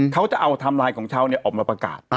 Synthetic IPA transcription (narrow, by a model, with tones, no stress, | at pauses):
kʰa˦˥wt͡ɕa˨˩ʔa˧wt̪ʰa˧mlaː˧jkʰɔː˩˦ŋt͡ɕʰaː˥˩wni˥˩ɐʔɔː˨˩k̚maː˧pɾa˧ka̰ː˨˩t̪̚